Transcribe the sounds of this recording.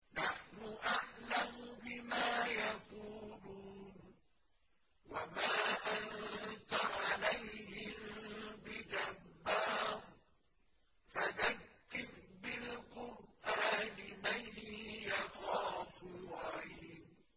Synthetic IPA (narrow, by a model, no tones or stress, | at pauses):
naħnʊʔaʕlamʊbɪmaːjaquːluːn | wamaːʔannt̪aʕalajhɪmbɪd̪abːaːb | faðakːɪbbɪlqʊɾʔaːnɪmanhjɑxaːfʊwaiːn